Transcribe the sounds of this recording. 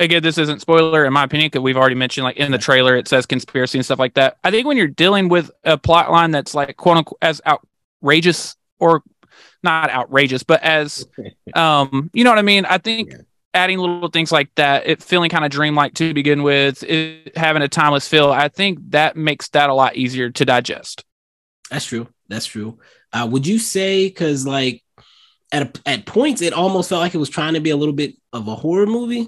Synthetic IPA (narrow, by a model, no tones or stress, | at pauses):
ɨɡɛ̃nðɪsɪzɨ̃ntspɔɪlˠə˞ɨ̃nmaɪɨpʰɪ̃njɨ̃nkʌzwivl̩ˠɹɛɾimɛ̃nʃɨ̃nd̥ˡlaɪkɨ̃nðɨtʰɹ̥eɪlˠə˞ɨtsɛz̥kɨ̃n̩spɪɹɨsiɨ̃nstʌflaɪk̚ðæt̚aɪθɪ̃ŋk̚wɨ̃njə˞dilˠɪ̃ŋwɪðɨpʰl̥ɑʔlʔãɪ̃nðɨtslaɪkʰw̥oʊɾə̃kʰɨza̰ʊt̚ | ɹeɪd͡ʒɨs | ə˞ | nəɾa̰ʊʔ̚ɹeɪd͡ʒɨsb̥ʌɾʔɨz̥ʔʌ̃mjɨnoʊwʌɾaɪmĩna̰ɪθɪ̃ŋk | æɾɪ̃ŋlɪɾl̩ˠθɪ̃ŋz̥laɪk̚ðɨt̚ɪtfilˠɪ̃ŋkʰãɪ̃ndɨdɹĩmlaɪk̚tʰɨbɨɡɪ̃nwɪð̥ɪhævɪ̃ŋɨtʰãɪ̃mɨz̥fɪlˠaɪθɪ̃ŋk̚ðɨt̚meɪksðɨɾəlɔ̰ɾʔiziə˞ɾɨdaɪd͡ʒɛ̰st̚ | ðætstʰɹ̥ʉ | ðætstʰɹ̥ʉ | ʔʌwəd͡ʒɨseɪkʰʌzlaɪk̚ | ɨɾɨɨt̚pʰɔ̃ɪ̃ntɨɾʔɔlˠmoʊstfɛlˠt̚laɪkɨt̚wʌz̥tʰɹ̥aɪɪ̃ŋtʰɨbiəlɪɾl̩ˠbɪɾ | ʌvəhɔɹə˞muvi